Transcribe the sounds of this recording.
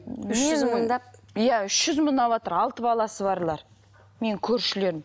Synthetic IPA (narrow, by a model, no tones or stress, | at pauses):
ʏʃməɴd̪ɑp̚jæʏʃʒ̥ʏzmənd̪ɑbɑt̪əɾɑlˠt̪əbɑlˠɑsəβɑɾlˠɑɾ | me̞ŋkʲʰɵɾʃɪle̞ɾɪm